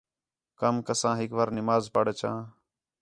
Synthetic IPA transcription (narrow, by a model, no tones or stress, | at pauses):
kəmkəsãːɦɪkʋaːɾnɪmaːzpəɽət͡ʃʰã̰ː